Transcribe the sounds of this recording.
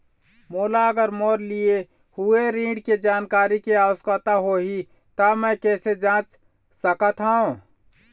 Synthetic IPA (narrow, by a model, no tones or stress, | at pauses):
moːlaəɡəɾmoɾlie | hueɾĩɖked͡ʒaːnkaːɾikeaʋəskət̪aɦoɦi | t̪amə̃kɛːsed͡ʒãt͡ʃ | səkət̪ɦaõ